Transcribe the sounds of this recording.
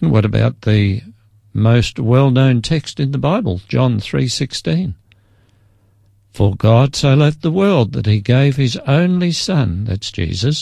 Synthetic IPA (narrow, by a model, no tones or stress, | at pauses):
n̩wʌ̰ɾɨba̰ʊt̪̚ðɨ | moʊst̚wɛlˠnõʊ̃ntʰɛkstɨ̃nðəbaɪbəl̩ˠd͡ʒɑ̃nθɹḭsɪkstĩn | fə˞ɡɑd̥soʊlɛf̚ðəwɜ˞lˠd̪̚ðɨ̰t̚hiɡeɪv̥ɨzõʊ̃nlisʌ̃nðæ̰tsd̥ʒ̥ḭzɨs